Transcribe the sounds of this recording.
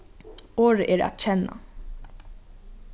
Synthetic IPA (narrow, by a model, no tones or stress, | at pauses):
oːɹəʔɛːɹæ̰t̪t͡ɕɛna̰